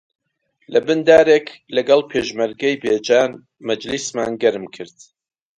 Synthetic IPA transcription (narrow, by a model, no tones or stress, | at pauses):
lʔɐbɨnd̪aːɾeːklɐɡɑlˠpʰeːʒmɐɾɡɛjbeːd͡ʒaːn | mɐd͡ʒlisma̰ːnɡɐɾmkʰɨɾd̪̥